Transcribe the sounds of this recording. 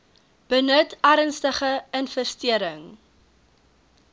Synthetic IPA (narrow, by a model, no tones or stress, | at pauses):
b̥ənətæːɾənstəχəənfəstiəɾəŋ